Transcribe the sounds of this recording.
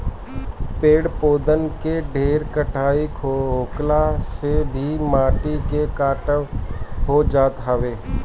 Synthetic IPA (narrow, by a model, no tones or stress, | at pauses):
peːɽpoːd̪ənkeɖʱeːɾkəʈʰaːikʰoɦoːklasebʱimaːʈikekaːʈəʋɦod͡ʒaːt̪ɦaʋeː